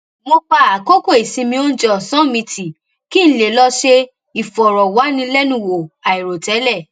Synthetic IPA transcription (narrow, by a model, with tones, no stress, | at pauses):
mo˧k͡pa˧˦a˨ko˦ko˦˨i˨sĩ˧mĩ˧o˦n̩˦d͡ʒɛ˦˨sã˨˦mĩ˧tʰi˨ | ki˦n̩˦le˨lɔ˧ʃe˧ | i˨fɔ˨ɾɔ˨wa˨˦nĩ˧lɛ˦nũ˦˨wo˨a˨i˨ɾo˨tɛ˨˦lɛ˦˨